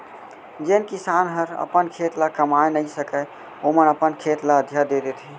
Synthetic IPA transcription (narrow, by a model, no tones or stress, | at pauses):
d͡ʒenkisanɦəɾə̰pənkʰet̪lakəmaenəisəkə | omənəpənkʰet̪laəd̪ʱjad̪ed̪et̪ɦɛ